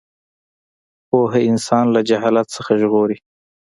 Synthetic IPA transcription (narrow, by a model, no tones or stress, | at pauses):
poɦeɪnsɑnlad͡ʒaɦɑlat̪səxaʒɣoɾi